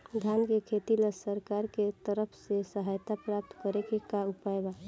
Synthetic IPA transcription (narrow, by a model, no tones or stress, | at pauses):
d̪ʱankekʰet̪iləsəɾkaɾket̪əɾəpʰsesəɦajt̪apɾap̚t̪kəɾekekaupajba